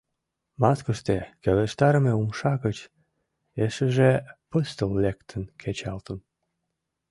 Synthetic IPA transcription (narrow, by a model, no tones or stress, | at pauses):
mɑskəʃt̪ekeleʃt̪ɑɾəmeumʃɑɣət͡ɕ | eʃəʒepəst̪əlːekt̪ʰənkʰet͡ɕɑlt̪ən